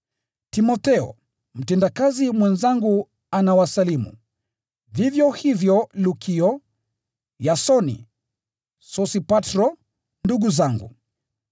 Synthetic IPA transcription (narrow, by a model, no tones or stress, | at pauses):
timɔtɛɔ̰ | m̩tɛndakazimwɛnzaŋɡu | anawasalimṵ | vivjɔhivjɔlukʰiɔ | jasɔnḭ | sɔsipatɾɔ | nduɡuzaŋɡṵ